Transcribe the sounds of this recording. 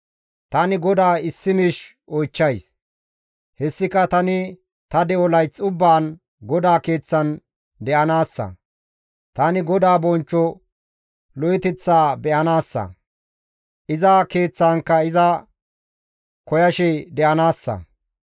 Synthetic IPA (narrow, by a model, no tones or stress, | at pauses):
t̪ɐnɪɡɔd̪aːɪsːɪmɪʃ | ʔɔjt͡ʃːɐjs | hɛsːɪkɐt̪ɐnɪ | t̪ɐd̪ɛʔɔlɐjt͡sːʼʊbːaːn | ɡɔd̪aːke̞ːt͡sːɐn | d̪ɛʔɐnaːsːɐ̰ | t̪ɐnɪɡɔd̪aːbɔnt͡ʃːɔ | lɔjɪt̪ɛt͡sːaːbɛʔɐnaːsːɐ̰ | ʔɪzake̞ːt͡sːaːŋkːɐɪzɐ | kɔjɐʃɛd̪ɛʔɐnaːsːɐ̰